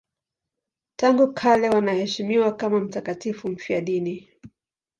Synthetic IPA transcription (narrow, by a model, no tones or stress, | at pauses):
taŋɡukʰalɛwanahɛʃimiwakamam̩takatifum̩fiaɗini